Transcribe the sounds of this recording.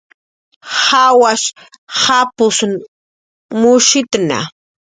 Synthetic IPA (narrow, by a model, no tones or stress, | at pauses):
hawaʃ | hapʊsn | mʊʃɪt̪na̰